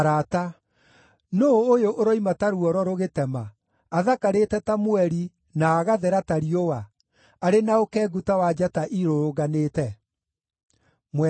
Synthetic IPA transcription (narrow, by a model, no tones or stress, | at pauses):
ɾata | noːjoʔoɾoimataɾuɔɾɔɾoɣetɛmaː | ðakaɾetɛtamwɛɾi | naːɣaðɛɾataɾiowa | aɾenaokɛːɡutawad͡ʒataʔiɾoɾoɣanetɛ | mwɛ